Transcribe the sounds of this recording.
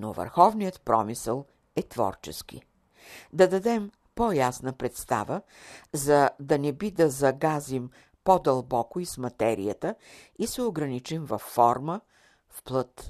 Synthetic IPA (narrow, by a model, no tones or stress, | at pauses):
no̰və̰ɾxɔvnijət̪pɾɔ̰misəlˠ | ɛt̪vɔ̰ɾt͡ʃɛ̰skḭ | d̪ɐd̪ɐd̪ɛm | pojasnəpɾɛt̪st̪a̰və | zɐd̪ɐnɛbid̪ɐzɐɡazim | pod̪ɐlˠbɔkʊismɐt̪ɛɾḭjət̪ə | isɛoɡɾɐnit͡ʃimvɐfːɔɾmə | fplˠɤt̪